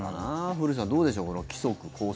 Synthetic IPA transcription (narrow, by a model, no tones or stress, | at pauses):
anaɸɯɾɯ̟s̬ãnd̪oːd̪e̞ɕ̬o̞ːkonokʲi̥so̞kɯ̟kʰo̞ː